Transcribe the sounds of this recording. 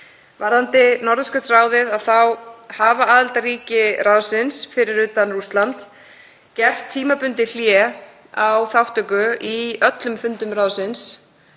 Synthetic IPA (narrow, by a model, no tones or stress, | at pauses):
vaɾðant̪ɪnɔɾðʏskʏt̪raːwðɪðaðθawhaːvaʔaːðalt̪aɾiːcɪrawsɪnsfɪɾɪɾʏːt̪anrust̪lant̪ | cɛr̥st̪ʰːiːmapʏnt̪ɪl̥jɛ | awθawht̪ʏkʏiœt̪lʏmfʏnt̪ʏmraːwsɪns